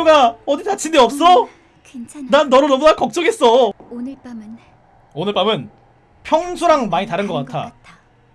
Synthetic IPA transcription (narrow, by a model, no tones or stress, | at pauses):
oɡaʌditat͡ɕʰindeʌp̚s͈ʌ | knt͡ɕʰnanːʌɾonʌmunakʌk̚t͡ɕ͈ʌɡe̞s͈ʌ | onɯɭp͈amɯn | pʰjʌŋsʰoɾaŋmaɲitaɾɯnɡʌk͈attʰa